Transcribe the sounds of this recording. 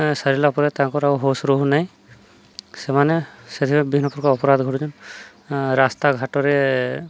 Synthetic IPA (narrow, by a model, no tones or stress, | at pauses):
saɾilaɔpɔɾad̪t̪ãŋkɔɾauɦosɾoɦunaj | sɛmanɛsed̪ʰimabinɔpuɾkɔɔpɔɾad̪ɡʱɔɾd͡ʒɔn | ɾast̪aɡʱaʈɔɾɛ